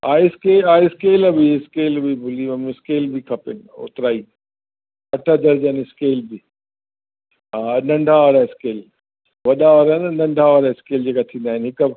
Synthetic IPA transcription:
aːiskeːaːiskeːlbiskeːlbibʊliɐmskeːlbikʰɐpɪnɪʊ̰t̪ɪɾaːiː | ɐʈʰəd͡ʑɐɾd͡ʑaniskeːlbi | aːnɐ̃ɳɖʱaʋaːɾaɪskeːl | ʋɐɗaʋaɾanɐnɐ̃ɳɖʱaʋaːɾaɪskeːld͡ʑeːkat̪ʰĩːnd̪aːɦɪnɦɪkə

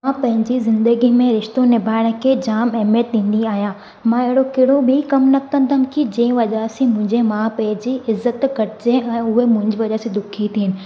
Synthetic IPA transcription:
ãpɐ̃ɦɪ̃ɲd͡ʑizɪ̃nd̪əɡimẽɾɪʃt̪õnɪbʱaːɪɽ̃ə̆kʰeːd͡ʑaːmɛɦmjət̪̚ɗĩːn̆d̪iaːɦijãː | mãːɪɦɪɽokɪɽobʱikɐmnɐt̪ɐ̃nt̪ʰankid͡ʑɛ̃ːʋɐʄaːsimʊ̃ɦɪ̃ɲd͡ʑemãːpɐ̃ɦɪ̃d͡ʑiʔɪzːət̪kɐɾɪd͡ʑeɛ̃ːʊɦemʊ̃ɦɪ̃ɲd͡ʑɪʋɐʄaːsẽd̪ʊkʰit̪ʰiːnɪ̆

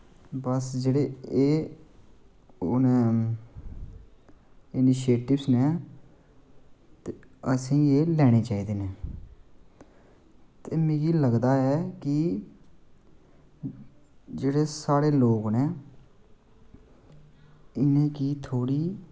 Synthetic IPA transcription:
bəsd͡ʒeːɽeːeː | ʊnẽː | ɪniːʃeːʈɪbsnɛː | t̪eəsĩːeːlɛːɽ̃eːt͡ʃaːiːd̪eːnɛː | t̪eːmẽːɡiːləɡd̪aːɛːkɪ | d͡ʒeːɽeːsaːɾeːloːɡnɛː | ɪnẽːkiːt̪ʰoːɽiː

